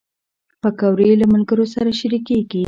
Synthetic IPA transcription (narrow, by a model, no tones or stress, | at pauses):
pəkawɾelamalɡəɾosaɾaʃaɾikeɡi